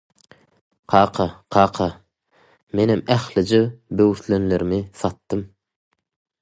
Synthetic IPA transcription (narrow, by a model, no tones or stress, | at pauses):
qʰɑːqʰɑqʰɑːqʰɑ | menemæxlid͡ʒebøwɾt̪lenleɾimiθɑt̪ːɯm